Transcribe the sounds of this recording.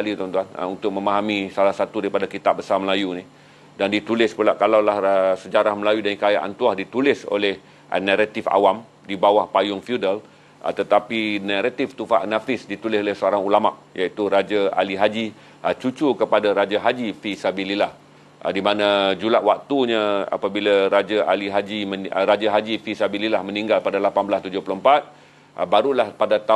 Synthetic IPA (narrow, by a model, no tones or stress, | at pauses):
alit̪ɔnt̪uanə̰unt̪ʊk̚mə̃maɦamĩsalahsat̪udaɾipadakit̪ap̚bəsarməlajuni | dandit̪ulɪspəlaʔkalawlahəsəd͡ʒaɾahməlajudaŋkajaʔa̰nt̪uahdit̪ulɪso̰lɛh | ə̰naɾat̪ifa̰wam | dibawahpajʊŋfiudal | ə̰t̪ət̪apinaɾat̪ɪft̪ufa̰ʔnafɪsdit̪ulɪsolɪhsəoɾaŋulamaʔjait̪uɾad͡ʒaa̰liɦad͡ʒi | ət͡ʃut͡ʃukəpadaɾad͡ʒaɦad͡ʒifisabililah | dimãnãd͡ʒulaʔwak̚t̪uɲaa̰pabilaɾad͡ʒaaliɦad͡ʒimɾad͡ʒaɦad͡ʒifisabililahmə̃niŋɡalpadalapanblast̪ud͡ʒʊhploəmpat̪̚ | baɾulahpadat̪a